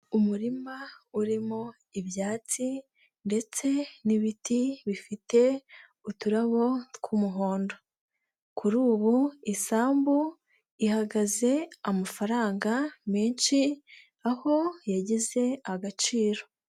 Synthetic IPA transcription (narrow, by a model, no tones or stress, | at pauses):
umuɾimauɾimo | iβjaːt͡si | nde̞t͡se̞niβitiβifite̞ | utuɾaβo̞kʰumuɦo̞ːndo̞ | kʰuɾuːβuisaːmbu | ihaɡaze̞amafaɾaːŋɡameːnʃi | aho̞jaɟize̞aɡat͡ʃiːɾo̞